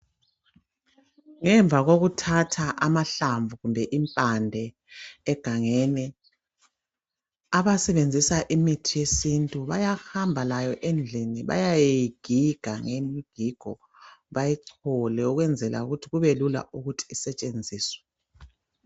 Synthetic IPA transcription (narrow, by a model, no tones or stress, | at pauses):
ŋɛɱvʱaɣoɣutʰatʰaʔamaɬaɱvuɣumbʱɛʔimpʼandʱɛː | ɡ̥ʱaŋɛnɛ | aβasɛβend͡zʱisaʔimitʰijesintʼuβajahambʱalajɔʔend͡ɮʱiniβa̰jajejiɡ̥ʱiɡ̥ʱaŋemiɡ̥ʱiɡ̥ʱɔ̰ | βajɛǀʰɔlɛuɣwɛnd͡zʱɛla̰uɣutʰiɣuβelula̰ʔuɣutʰi̥ːsɛt͡ʃʼend͡zʱiːswɛ̥